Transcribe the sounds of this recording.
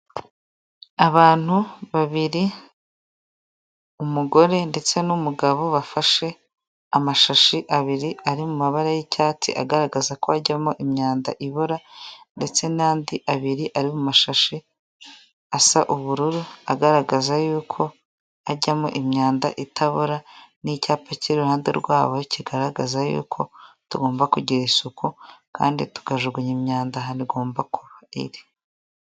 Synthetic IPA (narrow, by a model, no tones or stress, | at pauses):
aβaːn̥huβaβiɾi | umuɡo̞ɾe̞nde̞t͡se̞numuɡaβo̞βafaʃe̞ | amaʃaʃiʔaβiɾiaɾimumaβaɾajicaːtḭʔa̰ɡaɾaɡazakoaɟamoʔimɲaːnda̰ʔiβoɾande̞t͡se̞naːndiʔaβiɾiʔaɾimumaʃaʃi | asaʔuβuɾuɾuaɡaɾaɡazajuːkʰo̞ | aɟamoʔimɲaːndaʔitʰaβuɾanicaːpaciɾuhaːndḛɾɡwaːβo̞ciɡaɾaɡazajṵːkʰo̞tuɡo̞ːmbakuɟiɾisukʰuka̰ːndḭtu̥ɡaʒuɡuɲimɲaːndaɦaniɡo̞ːmbakuβaḭɾi